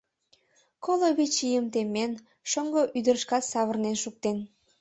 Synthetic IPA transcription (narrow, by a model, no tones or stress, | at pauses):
koloβet͡ɕijəmt̪emːen | ʃəŋɡoʔyd̪ərʃkɑt̪sɑβərnenʃuk̚t̪en